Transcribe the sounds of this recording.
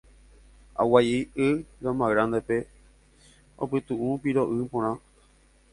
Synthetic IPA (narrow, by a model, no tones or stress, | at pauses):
a̰wajiɨɡãmãɣɾãnd̪epe̞ | o̰pɨt̪uʔũpiɾoʔɨpõɾ̃ã